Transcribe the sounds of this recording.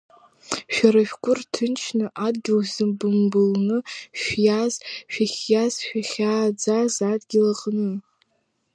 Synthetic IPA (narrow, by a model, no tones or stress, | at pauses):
ʃᶣaɾaʃᶣkʷʼʊrtʰɨnt͡ʃʰnɨʔadɡʲiwzɨbɨmbɨlnɨʃjazʃᶣaχʲjazʃᶣaχʲaːd͡zazadɡʲilaqʼnɨ